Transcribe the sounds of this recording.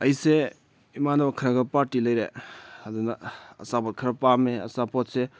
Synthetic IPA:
ɐjse | imanɐbakʰɐɾaɡɐpaɾtilɐjɾeadunaɐ̰sabɔt̚kʰɐɾapameɐsapɔt̚se

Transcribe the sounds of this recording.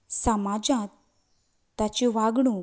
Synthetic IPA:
səmad͡zãt̪ː | at͡ɕiʋaɡɽ̃ũ

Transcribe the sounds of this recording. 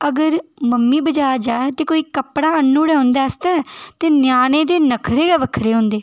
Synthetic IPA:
əɡəɾməmːiːbəd͡ʒaːad͡ʒaːet̪eːkoːiːkəpɽaːənːuːɽɛːɦõːnd̪aːəst̪ɛːt̪eːnjaːneːd̪eːnəkʰɾeːɛːʋəkʰɾeːɦõːnd̪eː

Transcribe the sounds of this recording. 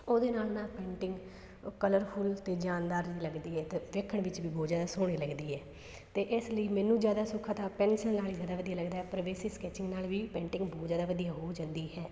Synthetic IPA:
oːd̪eːnaːlnaːlpẽːɳʈɪŋɡ | kələɾpʰʊlt̪eːd͡ʒaːnd̪aːɾd͡ʒiːləɡd̪iːɦɛːt̪eːʋeːkʰəɳʋɪt͡ʃʋiːboːd͡ʒaːd̪aːsoːɽ̃iːləɡd̪iːɦɛː | t̪eːʔɪsləiːmɛ̃ːnũːd͡ʒjaːd̪aːsʊkʰaːt̪ãːpɛ̃ːnʃənnaːliːd͡ʒjaːd̪aːʋəd̪ijaːləɡd̪aːɦɛːpəɾʋeːsiːskɛːt͡ʃɪŋɡnaːlʋiːpɛ̃ːɳʈɪ̃ŋɡboːdd͡ʒaːd̪aːʋəd̪ijaːɦoːd͡ʒãnd̪iːɦɛː

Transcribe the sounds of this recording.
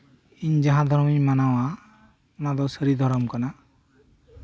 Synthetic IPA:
iɲd͡ʒaɦãd̪ʱɔɾmimanawa | ɔnad̪ɔsəɾid̪ʱɔɾɔmkana

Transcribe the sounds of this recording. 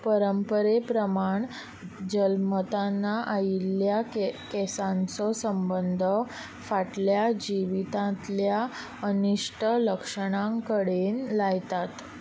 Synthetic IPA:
pəɾəmpəɾepɾəmaɳ | d͡ʑəlmət̪anːaʔailjakɛsãnt͡sɔsəmbənd̪ʱə | faʈljad͡ʑiʋit̪ãt̪lja | əniʂʈʰələkʂəɽ̃ãŋkəɽenlajt̪at̪

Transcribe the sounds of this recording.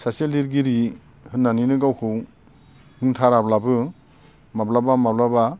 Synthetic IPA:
saseliɾɡiɾi | hɯnːaninɯɡawkʰɯw | hɯŋtʰaɾablabɯ | mablabamablaba

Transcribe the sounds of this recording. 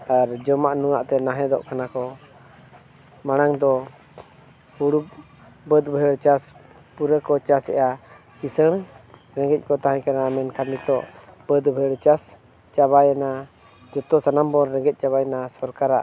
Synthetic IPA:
aɾd͡ʒɔmaʔnuŋaʔt̪ɛnaɦɛ̃d̪ɔ̰ʔkanakɔ | maɽ̃aŋd̪ɔ | huɽub | bəd̪bəɦəɽt͡ʃas | puɾəkɔt͡ʃasɛ̰ʔa | kisəɽ̃ | ɾɛ̃ŋɡɛc̚ˀkɔt̪aɦãɲkanaːmɛnkamit̪ɔʔb̥əd̪bʱəəɽt͡ʃas | t͡ʃaβajana | d͡ʒɔt̪ɔsanambɔnɾɛ̃ŋɡɛc̚t͡ʃaβajɛnasɔɾkaɾa̰ʔ

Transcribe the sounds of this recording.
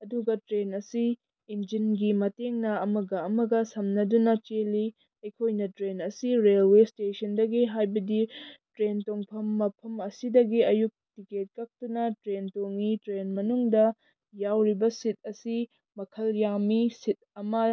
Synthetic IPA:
ɐduɡɐtɾenɐsiː | nd͡ʒinɡimɐteŋnɐɐmɐɡɐɐmɐɡɐsɐmnɐdunɐt͡ʃeli | ɐjkʰojnɐtɾenɐsiɾelwestesɐndɐɡiɦajbɐditɾentoŋpʰɐmːɐpʰɐmɐsidɐɡiɐjuk̚tiket̚kɐk̚tunɐtɾentoŋitɾenmɐnuŋdɐ | jawɾibɐsit̚ɐsi | mɐkʰɐljamisit̚ɐmɐ

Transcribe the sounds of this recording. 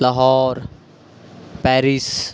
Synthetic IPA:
ləɦɔːɾ | pɛːɾis

